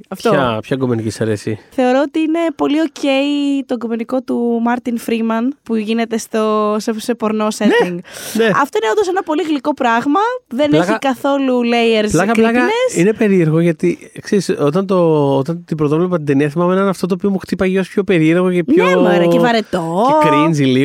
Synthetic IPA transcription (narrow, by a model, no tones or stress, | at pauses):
ɐft̪oɐpçɐɡumenicisɐɾe̞siθe̞o̞ɾoot̪iine̞po̞lio̞ce̞ijt̪oɡume̞niko̞t̪umɐɾt̪infɾimɐnpuʝine̞t̪e̞st̪osese̞po̞ɾno̞seiŋɡneɐft̪o̞ineond̪osenɐpo̞liɣliko̞pɾɐɣmɐðe̞neçikɐθo̞lulejeɾslɐkɐikɐnesine̞pe̞ɾieɾɣoʝɐt̪ikseɾisot̪ɐnt̪o̞ot̪ɐnt̪ipɾot̪ovlepɐt̪ind̪eniɐθimɐmeenenɐft̪ot̪̬oːpio̞muxt̪ipɐʝeospʰço̞pe̞ɾieɾɣocepçoeoɾɐevɐɾet̪oekɾinzili